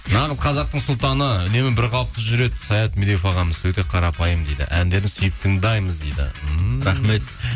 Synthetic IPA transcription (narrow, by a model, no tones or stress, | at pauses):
nɑʁəzqʰɑzɑq̚t̪əɴsʊlˠt̪ɑnəʏne̞mɪbɪɾqʰɑlˠəp̚t̪əʒʏɾe̞d̪ɪsɑjɑt̪milejfɑʁɑməzwɵt̪e̞qʰɑɾɑpɑjəmd̪ejd̪ɪ̰ʔænd̪e̞ɾɪnsʏjəp̚t̪ʰəŋd̪ɑjməzd̪ejd̪ɪ̰ɾɑχme̞t̪